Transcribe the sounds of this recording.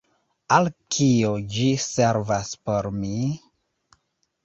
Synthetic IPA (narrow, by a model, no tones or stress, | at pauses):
alkʰiod͡ʒiseɾvaspoɾmi